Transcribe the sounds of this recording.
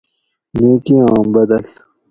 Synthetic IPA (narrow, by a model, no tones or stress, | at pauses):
neːkiɑ̃ːmbɐd̪ɐl